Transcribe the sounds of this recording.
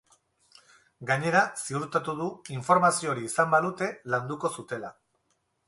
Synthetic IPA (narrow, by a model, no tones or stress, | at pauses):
ɡaɲe̞ɾasiuɾt̪at̪uðuiɱfo̞ɾmasioɾiːsambaðut̪e̞land̪uko̞sut̪e̞la